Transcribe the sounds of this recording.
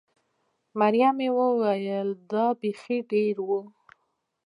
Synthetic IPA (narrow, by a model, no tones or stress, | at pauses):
maɾjamewəwajəld̪ɑbexiɖeɾwu